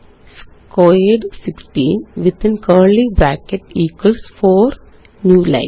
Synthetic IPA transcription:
s | kʰɔɪɖsɪksʈĩːnʋɪd̪ɪ̃nkʰəːɾlibɾækɛʈiːkəlsfɔːɾ | njuːla̰ɪ

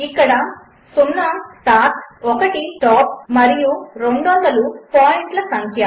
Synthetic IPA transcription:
ikːɐɽɐ | sumlaːmʈaːkɔkɐʈiʈaːp̚mɐɾijuɾeɳɖɔːnd̪ɐlupaːjeɳʈlɐsɐŋkʰjɐ

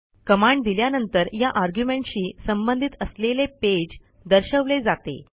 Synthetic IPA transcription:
kəmaɳɖd̪iljanənt̪əɾjaʔaɾɡjumeɳʈɕiːsəmbənd̪ʱit̪əsleleped͡ʑ | d̪əɾɕəʋled͡zat̪ḛ

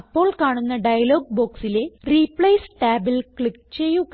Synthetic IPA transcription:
pːo̞ːɭkaːɳunːɐɖɐjɐlo̞ːɡ̚boːksile̞riːpɭɐjssʈaːbilkɭikːt͡ɕe̞jːuk

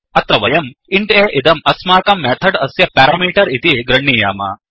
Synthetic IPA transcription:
ɐt̪ɾɐʋɐjɐmiɳʈeːʔid̪ɐmɐsmaːkɐmːeːt̪ʰɐɖɐsjɐpaːɾɐːmiːʈɐɾit̪iɡɾɐɳːiːja̰ːmɐ̰

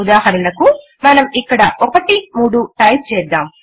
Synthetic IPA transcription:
ud̪aːɦɐɾɐlɐku | mɐnɐmikːɐɽɐ̰ʔɔkɐʈimuːɽuʈɐj̚t͡ʃɛːd̪ːaːm

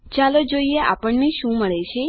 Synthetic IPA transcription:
t͡ʃalod͡ʒoieʔapəɳneʃũməɭet͡ʃʰe

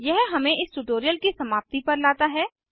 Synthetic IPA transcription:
jɛɦɦɐmẽʔɪsʈʊʈoːɾijəlkisɐmaːp̚t̪ipɐɾlaːt̪aɦɛː

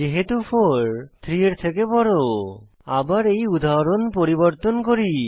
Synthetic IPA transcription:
d͡ʒeɦet̪ufʰoɾt̪ʰɾieɾt̪ʰekepɔɾo | abaɾejud̪aɾonpoɾiboɾt̪onkoɾi

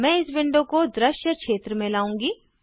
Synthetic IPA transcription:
mɛ̃ɪsbɪ̃ɳɖõkod̪ɾɪʃjəkʃeːt̪ɾəmẽlaːũːŋɡiː

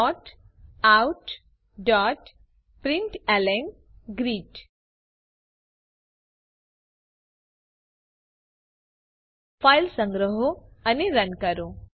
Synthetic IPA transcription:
ɔʈ | awʈ | ɖɔʈ | pɾiɳʈɛlen | ɡɾiːʈ | fajlsə̃ŋɡɾəɦoaniɾənkəɾo

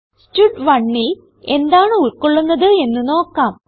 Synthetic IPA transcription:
stuɖʋɐɳːil | e̞nd̪aːɳɨuɭkoɭːunːɐðɨe̞nːɨno̞ːkːaːm

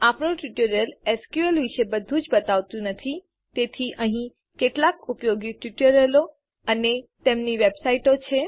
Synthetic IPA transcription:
apɳoʈjuʈəɾəlɛskjuəlʋiʃebəd̪ʱũd͡ʒbət̪aʋt̪ũnət̪ʰi | t̪et̪ʰiʔəɦĩ | keʈlakupjoɡiʈuʈəɾəlo | ənet̪emniʋebsaiʈot͡ʃʰe

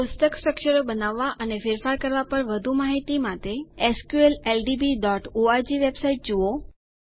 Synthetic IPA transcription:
pʊst̪əksʈɾəkʃəɾobənaʋːaʔənefɪɾfaɾkəɾʋapəɾʋəd̪ʱumaɦit̪imat̪eeskjuelelɖibiɖɔʈoad͡ʒiʋebsaiʈ̚d͡ʒuo

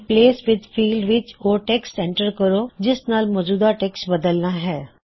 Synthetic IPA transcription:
pleːsʋɪd̪pʰiːlɖʋɪt͡ʃoːʈɛːksɛ̃ɳʈəɾkəɾoːd͡ʒɪsnaːlmɔːd͡ʒuːd̪aʈɛːksbəd̪əlnaːɦɛː

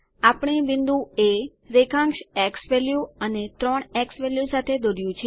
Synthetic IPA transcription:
apɳ̃eʋɪnd̪ũe | ɾekʰãŋkʃɛksʋɛljuənet̪ɾɔɳɛksʋɛljusat̪ʰed̪oɾjũt͡ʃʰe

